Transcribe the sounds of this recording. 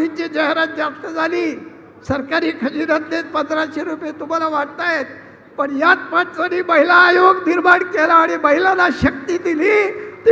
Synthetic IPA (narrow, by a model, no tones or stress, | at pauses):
it͡ɕed͡ʑaɦɾat̪̚d͡zast̪əd͡zaliː | səɾkaɾiːkʰəd͡ʑiɾat̪net̪̚pə̃nd̪ɾaɕeɾupjet̪um̤alaʋaʈt̪ajet̪̚ | pəɳjat̪pãt͡ɕt͡saniːməɦilaːjoɡniɾbaɽkelaːɽ̃iməɦilanaɕək̚t̪iːd̪iliːt̪